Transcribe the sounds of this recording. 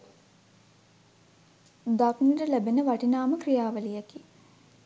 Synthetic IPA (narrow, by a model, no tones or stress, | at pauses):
d̪aknirəlæbenəʋaʈinaːməkrijaːʋəlijaki